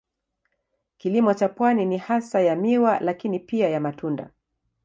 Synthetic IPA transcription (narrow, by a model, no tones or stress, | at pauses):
kilimɔt͡ʃapwaninihasajamiwalakinipiajamatunda̰